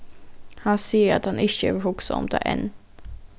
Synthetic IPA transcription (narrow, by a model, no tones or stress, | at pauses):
hanseːɾa̰t̪hanɪɕəvɦʊksa̰ɔ̰mt̪ʰa̰ʔɛ̰n